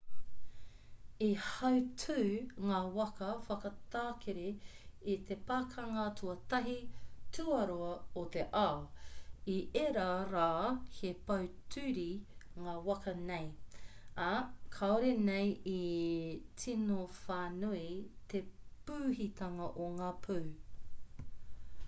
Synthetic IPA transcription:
ihɐwtʰʉːŋaːwɐkɐfɐkɐt̪aːkʰeɾeit̪epaːkʰɐŋɐtʰuɐt̪ɐɦitʰuɐɾoɐot̪eʔa | iʔeɾaːɾaːhepɐwtʰʉːɾiŋaːwɐkʰɐnej | akʰaoɾeneji | tʰinofaːnuit̪epʉːɦit̪ɐŋɐʔoŋaːpʰuw

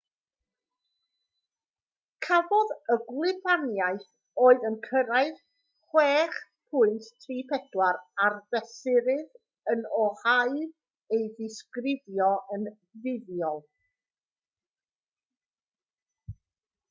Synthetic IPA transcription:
kʰavɔðəɡlˠɪvanjaɨθ | oːɨðənkʰəɾaɨð | χwɛːχ | pʰʊɨnttʰriːpʰɛdwaɾarðɛsɪɾɨð | ənɔhaɨɾ | ejðɪskrɪdjɔʔən | vɪðjɔlˠ

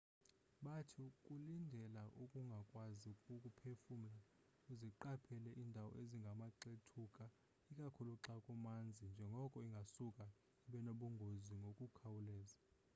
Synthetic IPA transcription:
ɓatʰikʼulindʱɛlaʔukʼuŋɡʱakʼwazikʼukʼupʰefum̩la | kuziǃapʰɛlɛʔiːndʱawɔ̰ʔeziŋɡʱamaǃetʰukʼa | ikʼakʰuluǁakʼumand͡zʱind͡ʒʱɛŋɡʱɔkʼɔiŋɡʱasukʼa | iɓɛnoɓuŋɡʱoziŋɡʱokʼukʰawulɛːza

